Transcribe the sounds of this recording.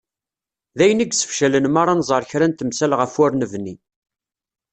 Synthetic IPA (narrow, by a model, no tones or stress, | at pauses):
ðæjəniɡsə̥fʃælənmɑɾˤɑnzˤəɾˤçɾænt̪əmsælʁəfwʊɾnəvni